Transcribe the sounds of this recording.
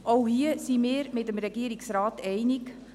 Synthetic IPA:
ʔowhiəsimɪːɾmɪtəmɾɛɡiəɾiksɾɑːtɛɪnik

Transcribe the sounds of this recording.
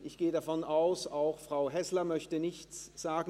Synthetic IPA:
ʔɪçɡ̥eːəɾafɔnaʊsaʊxfʁ̥aʊɦɛslɐmœçtənɪçt͡sz̥aːɡ̩

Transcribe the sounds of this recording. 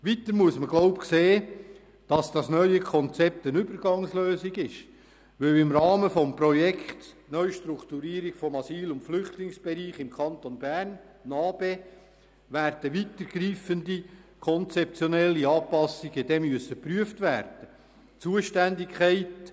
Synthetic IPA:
ʋit̪əɾmuəsməɡloʊpkseː | d̥ɑsd̥ɑsnœʏəkʰɔnt͡sɛp̚t̪ənʏbəɾɡ̥ɑŋsløːsiɡɪʃ | ʋɵwɪmɾɑːməfɔmpɾɔjɛkʰχt̪ | nœʏʃt̪ɾukt̪uɾiːəɾiɡ̥fɔmɑsiːlʊntflʏχtlɪŋsb̥ɛɾiːχɪmkʰɑntonbærnː | ɑːb̥eː | ʋæːɾd̥əʋit̪əɾɡ̥riːfəndikʰɔnt͡sɛp̚t͡sjɔnɛlːiɑːpɑsiɡ̥əd̥̪ɛmyəsəpryəftʋæːɾd̥ə | t͡suəʃtændɪkχɛɪt

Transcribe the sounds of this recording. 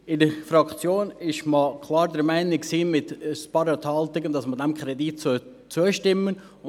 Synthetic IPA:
ɪdəfɾɑkt͡sjoːnɪʃmɑkʰlˠɑːɾdəɾmæɪnɪksiːmɪtspɑɾɛthɑlt̪ɪɡəndɑsmədɛmkχɾɛditsʊ | t͡suəʃtɪmːən

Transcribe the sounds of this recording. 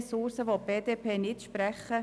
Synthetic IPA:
sʊɾsəʋob̥eːd̪eːpʰeːnɪt̪ʃpɾɛχːə

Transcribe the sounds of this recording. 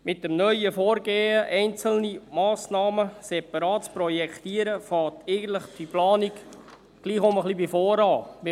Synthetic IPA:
mʔɪt̚dəmnœʏəfoːɾɡeːəʔɛɪnt͡səl̩nimɑːsnɑːməsɛpɑɾɑːtspɾɔjɛkt̪iːəɾəfɑːtɛɪɡən̩t̪ləχfiplɑːniɡ | ɡ̥liːχʊməχlibifoːɾɑːmɪ

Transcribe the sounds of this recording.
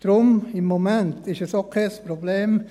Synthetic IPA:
d̥ɾʊmɪmːomɛntɪʃɛsokʰɛspɾobleːm

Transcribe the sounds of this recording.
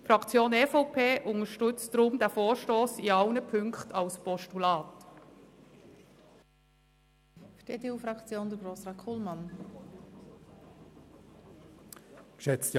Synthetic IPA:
fɾɑkt͡sjoːnefɔʊpʰeːʔʊŋəʃtʏt͡sdɾʊmd̥ɛːfoːɹʃtoːsiɑʊnəpʰʏŋktʰɑlspɔʃtulɑːt | ʃteːteuːfɾɑkt͡sjoːnd̥̪əɡosɾɑkʰulmɑn | kʃɛt͡st

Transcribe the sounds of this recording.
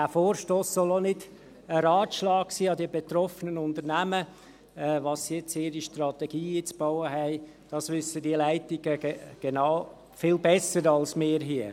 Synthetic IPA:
dæːfoːɾʃtoːsːɔlonɪd | əɾɑːtʃlɑːksiːɑdiəbet̪ɾɔfənənʊndəɾnæmə | ɛːʋɑsːijɛt͡sɪːɾiʃtrɑt̪eɡ̥iːit͡sb̥ɔʊəɦɛɪ | d̥ɑsʋʏsədiəlæɪtɪɡ̥əɡ̥enɑʊ | fɪlbɛsəɾɑlsmɪːɾɦiə

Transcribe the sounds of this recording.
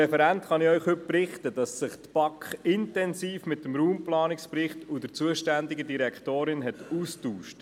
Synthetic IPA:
ɛfɛɾæntχɑnɪœʏχhʏp̚pɾɪχtəd̥ɑsːɪχt̪b̥ɑkχɪntɛnsiːfmɪtːəmɾuːmplɑːnɪkspɾɪχtud̥əɾt͡suəʃtændɪɡədiɾɛkχtoːɾɪnɦɛt̪uːstuːʃt

